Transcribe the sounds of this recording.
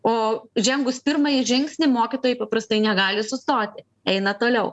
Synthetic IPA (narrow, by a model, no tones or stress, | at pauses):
oːʒʲɛŋɡʊspʲɪɾmɐjɪʒʲɪŋksʲnʲɪmoːkʲɪt̪oːjɛɪpɐpɾɐst̪ɐɪnʲɛɡɑːlʲɪsʊst̪oːt̪ʲɪ | ɛɪnɐt̪oːlʲɛʊ